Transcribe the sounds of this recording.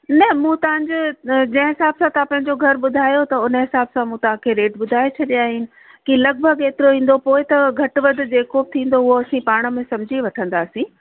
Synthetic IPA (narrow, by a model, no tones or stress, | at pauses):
nɐmũːt̪ɐʋãɲd͡ʑod͡ʑɐ̃ɦɪ̃ɦɪsaːbsãt̪ɐãpɐ̃ɦɪ̃ɲd͡ʑoɡʱɐɾɓʊd̪ʱaːjot̪ɐʊnə̆ɦɪsaːbsãmũt̪ɐɦãkʰeɾeːʈɓʊd̪ʱaːet͡ɕʰɐɗijaːɦɪnɪ̆ | kilɐɡ̚bʱɐɡeːt̪ɪɾoɦĩːn̆d̪opoːɪt̪ɐɡʱɐʈʋɐd̪̆ʱd͡ʑeːkob̚t̪ʰĩːnd̪oʊɦoɐsĩpaːɽ̃ə̆mẽsɐ̃md͡ʑʱiʋɐʈʰə̃nd̪aːsĩː